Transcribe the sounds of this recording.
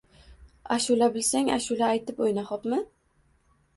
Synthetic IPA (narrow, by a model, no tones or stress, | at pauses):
aʃʊlabɪlsaŋa̰ʃʊlaːjt̪ɪpojnaχɒpmɪ